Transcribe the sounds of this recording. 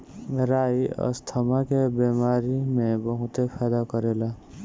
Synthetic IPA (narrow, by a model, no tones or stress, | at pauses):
məɾaːiə̰st̪ʰəmakebeːmaːɾimẽbəɦʊ̃t̪epʰɛːd̪akəɾeːla